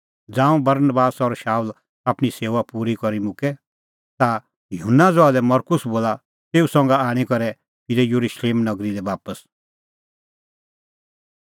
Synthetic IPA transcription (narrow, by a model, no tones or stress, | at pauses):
d͡zãːũbɐɾnbaːsɔɾʃaːul | aːpɽ̃iseːʋapuːɾikɔɾimʊ̃kɛ | t̪a | jɦʊnːad͡zɔaːlɛmɔɾkʊsboːla | t̪eːusɔ̃ŋ̆ɡaaːɽ̃ikɔɾɛ | pʰiɾɛjuɾuʃleːmnɐɡɾidɛbaːpəs